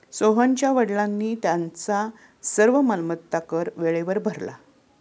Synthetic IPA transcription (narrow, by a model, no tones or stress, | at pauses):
soɦəɲt͡ɕjaʋəɽlãnːiːt̪jãnt͡sa | səɾʋəməlmət̪t̪ːakəɾʋeɭeʋəɾbʱəɾla̰